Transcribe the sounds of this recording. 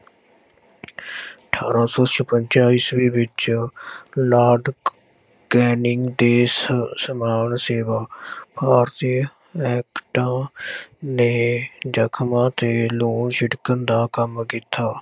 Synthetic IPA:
əʈʰaːɾaːsɔːt͡ʃəpəɲt͡ʃaːiːsʋiːʋɪt͡ʃ | laːɖ | ɡɛːnɪŋɡd̪eːsəmaːnseːʋaːpaːɾt̪iː | ɛːkʈãː | neːd͡ʒəkʰmãːt̪eːloːnʃɪɽkənd̪aːkəmkit̪aː

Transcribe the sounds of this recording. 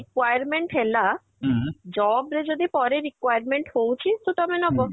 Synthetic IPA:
ɾikwajaɾmeɳʈɦela | d͡ʑɔbɾed͡ʑod̪ipɔɾeɾikwajaɾmeɳʈhowt͡ɕʰist̪ot̪ɔmenɔbo

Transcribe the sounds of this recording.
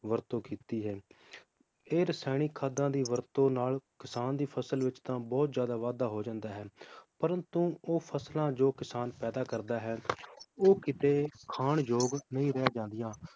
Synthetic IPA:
ʋəɾt̪õːkiːt̪iːɦɛː | eːɾəsɛːɽ̃iːkʰaːd̪ãːd̪iːʋəɾt̪õːnaːlkɪsaːnd̪iːpʰəsəlʋɪt͡ʃt̪ãːbɔːt̪zjaːd̪aːʋaːd̪aːɦoːd͡ʒãːnd̪aːɦɛːpəɾə̃nt̪ũːoːpʰəslãːd͡ʒoːkɪsaːnpɛːd̪aːkəɾd̪aːɦɛːoːkɪt̪eːkʰaːɳd͡ʒoːɡnəĩːɾɛjaːd͡ʒãːnd̪ɪjãː

